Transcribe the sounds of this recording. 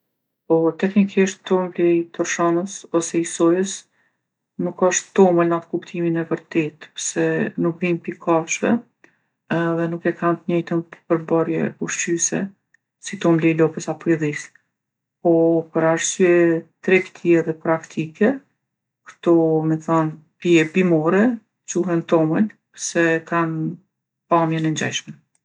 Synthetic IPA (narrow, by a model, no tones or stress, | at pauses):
pɔt̪ɛknikiʃt̪t̪ɔmblɛjt̪ɔɾʃɔnəsɔsɛisɔjəs | nukɔʃt̪t̪ɔməlnat̪kupt̪ʰiminɛvəɾt̪ɛt̪əɾsɛnuk̚ɾimpikʰaʃvɛ̰ | ɛðɛnukɛkʰant̪ɲɛjt̪ənəpəɾbɔɾjɛ̰uʃt͡ʃysɛ̰ | sit̪ɔmlɛlɔpəsapɔiðis | pɔpəɾaɾsyɛt̪ɾɛkt̪ʰiɛðɛpɾakt̪ʰikɛ | kə̥t̪ɔmɛθan | piɛbimɔɾɛ | t͡ʃuɦɛnt̪ɔməlpsɛkan | pamjɛnɛɲd͡ʑa̰jʃmɛ